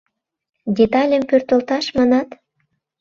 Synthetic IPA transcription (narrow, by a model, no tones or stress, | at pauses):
dʲet̪ɑlʲəmpørt̪əlt̪ɑʃmɑnɑt̪